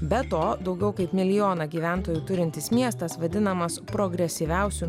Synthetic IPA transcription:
bʲɛt̪oːd̪ɒʊɡʲɛʊkɐɪpmʲɪlʲɪjoːnɐɡʲiːʋʲæˑnt̪oːjuːt̪ʊɾʲɪnʲt̪ʲɪsmʲiɛst̪ɐsʋɐd̪ʲɪnɐmɐspɾoɡɾʲɛsʲɪʋʲæˑʊsʲu

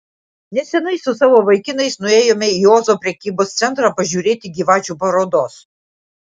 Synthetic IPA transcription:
nʲɛsʲɛnɐɪsʊsɑːʋoːʋɐɪkʲɪnɐɪsnʊeːjoːmʲɛjoːzoːpʲɾʲɛkʲiːboːst̪sʲɛnt̪ɾɑpɐʒʲuːɾʲeːt̪ʲɪɡʲiːʋɑːt͡ʃʲuːpɐɾoːd̪oːs

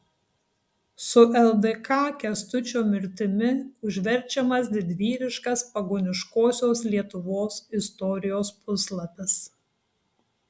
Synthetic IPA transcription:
sʊʔɛlˠd̪ekʰɑːkʲɛst̪ʊt͡ʃʲoːmʲɪɾʲt̪ʲɪmʲɪʊʒʲʋʲɛɾʲˑt͡ʃʲɛmɐsd̪ʲɪd̪ʲʋʲiːɾʲɪʃkɐspɐɡoːnʲɪʃkoːsʲoːslʲiɛt̪ʊʋoːsɪst̪ɔɾʲɪjoːspʊslˠɐpʲɛs

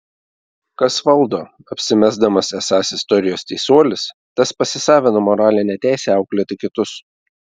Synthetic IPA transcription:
kɐsʋɐlˠd̪oː | ɐpʲsʲɪmʲæzd̪ɐmɐsɛsɑːsɪst̪ɔɾʲɪjoːsʲt̪ʲɛɪsuɔlʲɪs | t̪ɐspɐsʲɪsɑːʋʲɪnomɔɾɑːlʲɪnʲɛt̪ʲæˑɪsʲɛːɑʊklʲiɛt̪ʲɪkʲɪt̪ʊs

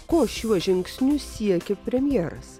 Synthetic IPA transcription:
koːʃʲuɔʒʲɪŋksʲnʲʊsʲiɛkʲepʲɾʲɛmʲjɛːɾɐ̰s

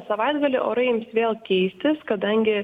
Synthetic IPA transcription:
sɐʋɐɪd̪ɡɐlʲɪʔo̰ːɾɐɪjɪmsʋʲeːlˠkʲɛɪsʲt̪ʲɪskɐd̪ɐŋʲɡʲɪ

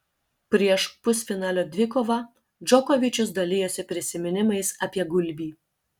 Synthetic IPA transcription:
pʲɾʲiɛʃpʊsʲfʲɪnɑːlʲoːd̪ʲʋʲɪkoːʋɑ | d͡ʒɔkɔʋʲɪt͡ʃʲʊsd̪ɐlʲɪjoːsʲɪpʲɾʲɪsʲɪmʲɪnʲɪmɐɪsɐːpʲiɛɡʊlʲbʲiː

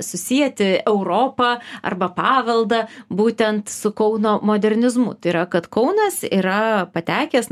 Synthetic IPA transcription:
sʊsʲiɛt̪ʲɪɛʊɾoːpɐɐ̰rbɐpɑːʋɐlˠd̪ɐbuːt̪ʲɛnt̪sʊkɐʊnoːmoːd̪ʲɛrʲnʲɪzmʊ̰t̪ɐɪɾɐkɐt̪kɐʊnɐsiːɾɐpɐt̪ʲæːkʲɛːs

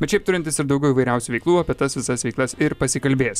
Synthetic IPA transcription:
bʲɛt̪ʃʲɛɪpt̪ʊɾʲɪnt̪ʲɪsɪɾd̪ɒʊɡʲɛʊiːʋɐɪɾʲɛʊsʲuːʋʲɛɪklˠuːɐpʲiɛt̪ɐsʋʲɪsɐsʋʲɛɪklˠɐsɪɾpɐsʲɪkɐlʲbʲeːs

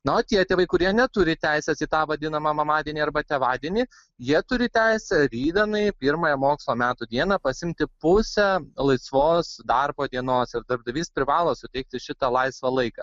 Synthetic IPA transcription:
nɐt̪ʲiɛt̪ʲeːʋɐɪkʊɾʲiɛnʲɛt̪ʊɾʲɪt̪ʲæɪsʲɛsiːt̪ɑːʋɐd̪ʲɪnɐmɐmɐmɑːd̪ʲiɛnʲiɐɾbɐt̪ʲeːʋɑːd̪ʲiɛnʲiː | jiɛt̪ʊɾʲɪt̪ʲæɪsʲɛɾʲiːd̪ʲɛnɐɪpʲiːɾmoːjɛmoːkslˠoːmʲæːt̪ʊd̪ʲiɛnɐpɐsʲɪmʲt̪ʲɪpʊsʲɛlˠɐɪsʋoːsd̪ɐɾboːd̪ʲiɛnoːsɪɾd̪ɐɾb̚d̪ɐʋʲiːspʲɾʲɪʋɑːlˠoːsʊt̪ʲɛɪk̚t̪ʲɪʃʲɪt̪ɐlˠɐɪsʋɐlˠɐɪkɑ̰

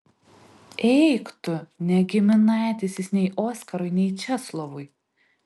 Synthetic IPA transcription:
ɛɪkt̪ʊnʲɛɡʲɪmʲɪnɑˑːt̪ʲɪsʲɪsnʲɛɪʔoːsʲkɐɾɔɪnʲɛɪt͡ʃʲɛslˠɔʋʊj

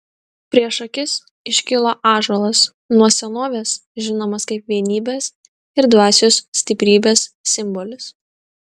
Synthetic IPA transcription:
pʲɾʲiɛʃɐkʲɪs | ɪʃʲkʲɪlˠoːʔɑːʒolˠɐs | nuɔsʲɛnoːʋʲeːsʒʲɪnoːmɐskɐɪpʋʲiɛnʲiːbʲeːs | ɪɾd̪ʋɑːsʲoːssʲt̪ʲɪpʲɾʲiːbʲeːssʲɪmbɔlʲɪs

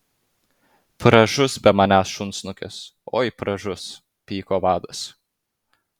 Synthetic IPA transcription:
pɾɐʒʊsbʲɛmɐnʲæːsʃʊnt̪snʊkʲɛ̰so̰ːjpɾɐʒʊs | pʲiːkoːʋɑːd̪ɐs

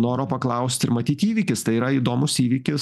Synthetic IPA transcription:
noːɾoːpɐklˠɐʊsʲt̪ʲɪɾmɐt̪ʲiːt̪iːʋʲiːkʲɪst̪ɐɪiːɾɐiːd̪oːmʊsiːʋʲikʲɪs

